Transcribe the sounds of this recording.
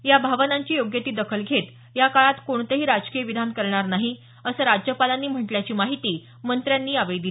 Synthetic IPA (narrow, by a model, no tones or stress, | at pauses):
jabʱaʋənaɲt͡ɕiːjoɡjət̪iːd̪əkʰəlɡʱet̪ | jakaɭat̪koɳt̪əɦiːɾad͡zkijəʋid̪ʱankəɾɳaɾnaɦi | əsəːɾad͡ʑjəpalanːiːm̤əʈljat͡ɕiːmaɦit̪iː | mənt̪ɾjanːiːaʋəjd̪i